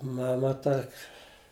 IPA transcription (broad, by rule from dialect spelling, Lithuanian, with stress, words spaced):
ˈmɑːmɐ ˈtɐkʲ